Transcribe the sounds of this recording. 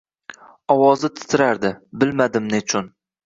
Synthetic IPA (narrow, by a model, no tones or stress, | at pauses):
ɒwɒzɪt̪ʰɪ̥t̪ʰɪɾaɾd̪ɪbɪlmad̪ɪmnɪt͡ʃʰʊn